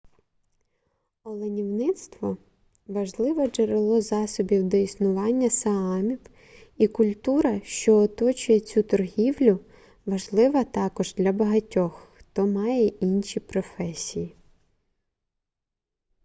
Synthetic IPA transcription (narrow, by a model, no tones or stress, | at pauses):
ɔlˠenʲiwnɪt̪st̪ʋɔ | ʋɐʒlˠɪʋɔd͡ʒeɾelˠɔzɑsɔbʲiwd̪ɔisnʊʋɑnʲːɐsɐɑmʲiw | ikʊlʲt̪uɾɐʃt͡ʃɔːt̪ɔt͡ʃʊjɛt͡sʲut̪ɔrɦʲiwlʲʊ | ʋɐʒlˠɪʋɐt̪ɑkɔʒd̪lʲɐbɐɦɐtʲɔxxt̪ɔmɑjɛʔinʃʲipɾɔfɛsʲiji